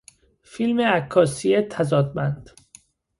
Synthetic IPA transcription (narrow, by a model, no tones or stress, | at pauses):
filmeækʰːɒːsiet̪ʰæzɒːd̪mænd̪̥